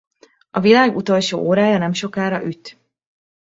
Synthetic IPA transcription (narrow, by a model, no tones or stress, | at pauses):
ɒvilaːɡut̪o̞lʃo̰ːʔoːɾaːjɒnɛmʃo̞kaːɾɒʔyt̪